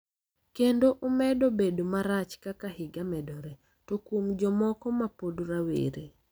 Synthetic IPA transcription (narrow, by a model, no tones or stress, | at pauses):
kendoʔomɛdobedomaɾat͡ʃkakahɪɡamɛdɔɾɛ | tokomd͡ʒɔmɔkɔmapodɾawḛɾe